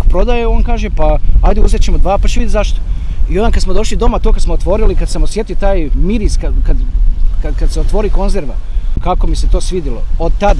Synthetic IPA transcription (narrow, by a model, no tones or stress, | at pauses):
pɾo̞d̪ajeo̞ːnkaːʒepaajd̪euzet͡ɕemod̪ʋaːpat͡ɕeid̪izaʃt̪o̥ionakad̪smod̪o̞ʃlid̪o̞mat̪oːkad̪smoot̪ʋo̞ɾilikad̪samosje̞t̪iot̪aːjmiɾiskakad̪kad̪kad̪seot̪ʋo̞ːɾiko̞nzeɾʋakako̞miset̪o̞ːsʋid̪jilo̞od̪̚t̪ad̪